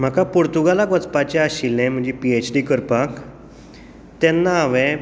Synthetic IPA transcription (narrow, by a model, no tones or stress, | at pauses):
m̤akapoɾt̪uɡalakʋət͡spat͡ɕɛaɕilːɛ̃m̤əɳd͡ʑipiet͡ɕɖikəɾpak | t̪ɛnːaːʋɛ̃